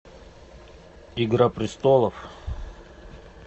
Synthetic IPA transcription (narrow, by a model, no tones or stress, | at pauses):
iɡɾapɾʲɪst̪olˠəf